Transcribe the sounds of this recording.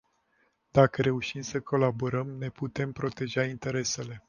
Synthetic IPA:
d̪̥akəɾe̞uʃimsəkʰo̞laboɾəmne̞put̪e̞mpɾo̞t̪e̞ʒaint̪e̞ɾe̞se̞le̞

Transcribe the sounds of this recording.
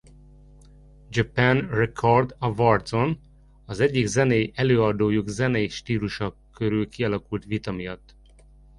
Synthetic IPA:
d͡ʒɒpænrɛkʰord̪ɒvɒrt̪so̞n | ɒzɛɟːiɡzɛneːjʔɛløːɒd̪oːjuɡzɛneːjʃt̪iːluʃɒkøɾylkiɒlɒkult̪ʋit̪ɒmijɒt̪ː

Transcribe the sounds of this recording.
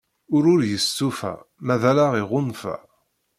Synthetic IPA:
ʊɾʊɾjəstːufæ̰mæðælaʁiʁʊnfæ̰

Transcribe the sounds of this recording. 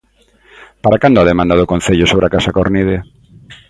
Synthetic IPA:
paɾakand̪oaðemãnd̪aðʊkon̟θeʎʊsoβɾeakasakoɾniðe

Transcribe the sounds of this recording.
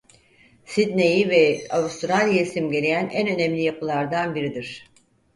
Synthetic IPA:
sid̪ne̞jivɛavust̪ɾalʲjaisimɟe̞ɾejænʔænø̞nɛmlʲijapʰɯlˠaɾd̪anbiɾid̪iɾ̝̥

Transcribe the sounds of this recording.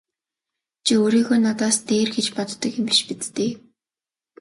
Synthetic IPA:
t͡ɕʰioɾiːxuːnat̪aːst̪eːrxet͡ɕpɔt̪ːə̆kɪmɡiʃpit͡st̪eː

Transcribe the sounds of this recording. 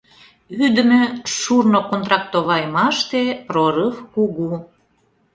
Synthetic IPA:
yd̪ə̆mø̆ʃurnokont̪ɾɑk̚t̪oβɑjmɑʃt̪eproɾɯfkuɣu

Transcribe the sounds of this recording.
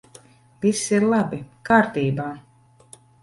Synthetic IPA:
visːiɾlˠabikaːɾt̪iːbaː

